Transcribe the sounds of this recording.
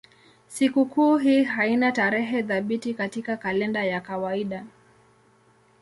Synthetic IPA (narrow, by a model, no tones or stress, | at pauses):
sikukuːɦiːɦainataɾɛɦɛðaɓitikatikakalɛndajakawaiɗa